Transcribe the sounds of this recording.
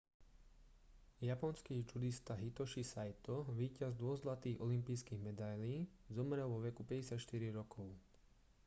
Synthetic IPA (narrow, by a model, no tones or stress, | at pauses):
japɔnskiːd͡ʒud̪ist̪aɦit̪ɔʃisajt̪ɔʋiːcazd̪ʊɔzlat̪iːɣɔlimpiːskiːɣmɛd̪ajliːzɔmɾɛlˠʋɔʋɛkupɛɟɛsɪacʃt̪iɾiɾɔkʰɔʊ